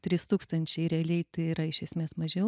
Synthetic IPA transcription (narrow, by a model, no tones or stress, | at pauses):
t̪ʲɾʲɪst̪uːkst̪ɐnʲt͡ʃʲɛɪɾʲɛɐlʲɛɪt̪ɐɪɪɾɐɪʃʲɛsʲmʲeːsmɐʒʲɛʊ